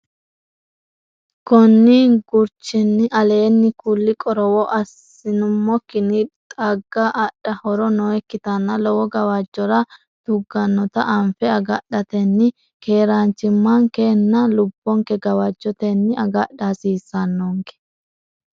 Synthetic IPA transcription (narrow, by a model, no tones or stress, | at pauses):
kɔnːiɡʊɾt͡ʃːɪnːɪʔɐle̞ːnːɪkʊlːɪkʼɔɾɔwɔʔɐs | ɪnʊmːɔkːɪnɪt̪ʼɐɡːɐʔɐɗɐhɔɾɔnɔɛkːɪt̪ɐnːɐlɔwɔɡɐwɐd͡ʒːɔɾɐ | d̪̥ʊɡːɐnːɔt̪ɐʔɐmfɛɐɡɐɗɐt̪ɛnːɪ | ke̞ːɾaːnt͡ʃːɪmːɐŋkɛnːɐlʊbːɔŋkɛɡɐwɐd͡ʒːɔt̪ɛnːɪʔɐɡɐɗasiːsːɐnːoŋkɛ̥